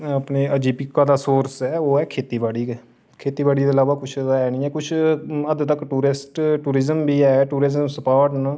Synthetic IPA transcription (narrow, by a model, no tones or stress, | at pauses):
əpneːəd͡ʒiːpɪkːaːd̪aːsoːɾsɛːoːɛːkʰeːt̪iːʋaːɽiːkɛ | kʰeːt̪iːʋaːɽiːd̪eːəlaːʋaːkʊt͡ʃʰːɛːnĩːɛːkʊt͡ʃʰəd̪t̪əkʈuːɾɪsʈʈuːɾɪzəmbiːɛːʈuːɾɪzəmsəpaːɾʈna